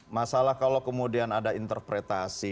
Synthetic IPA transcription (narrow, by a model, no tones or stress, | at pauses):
masalahkalowkəmudianadaint̪ərpɾet̪asi